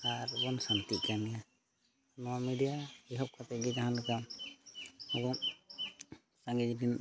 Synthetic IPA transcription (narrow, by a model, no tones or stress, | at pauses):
aɾbɔnsant̪iʔkanija | nɔwamiɖijaiɦɔp̚kʰat̪ɛɡɛd͡ʒaɦanlɛkam | ɔɡɔŋ | sãŋɡid͡ʒɾin